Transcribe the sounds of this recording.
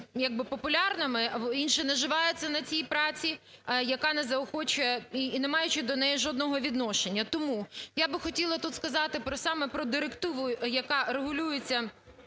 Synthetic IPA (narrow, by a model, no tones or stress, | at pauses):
jɐɡ̚bɪpɔpʊlʲɑrnɐmɪinʃɪnɛʒɪʋɑjʊt͡sʲːɐnɐt͡sʲijpɾɑt͡sʲi | jɐkɑnɛzɐɔxɔt͡ʃʊjɛinɛmɑjʊt͡ʃɪd̪ɔnɛjiʒɔd̪nɔɦɔʋʲid̪nɔʃenʲːɐt̪ɔmujabɪxɔtʲilˠɐt̪ut̪skɐzɑt̪ɪpɾɔsɑmɛpɾɔd̪ɪɾekt̪ɪʋʊjɐkɑɾeɦʊlʲujet͡sʲːɐ